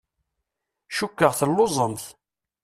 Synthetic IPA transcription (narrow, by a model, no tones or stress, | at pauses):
ʃukːəʁθəlːozˤəmθ